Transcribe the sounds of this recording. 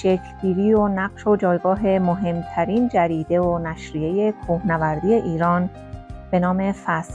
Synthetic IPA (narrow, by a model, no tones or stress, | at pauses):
ʃecʰɡiːɾiːonæɢʃod͡ʒɒːjɡɒːɦe̞moɦe̞mt̪ʰæɾiːnd͡ʒæɾiːd̪e̞onæʃɾiːe̞je̞kʰuhnævæɾd̪ije̞ʔiːɾɒːn | b̥e̞nɒːme̞fæs